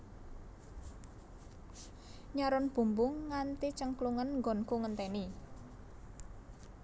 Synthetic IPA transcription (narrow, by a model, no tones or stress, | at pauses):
ɲaɾʊnb̥ṳmbʊŋːant̪it͡ʃəŋkluŋənŋɡɔ̤nkuŋənt̪ɛni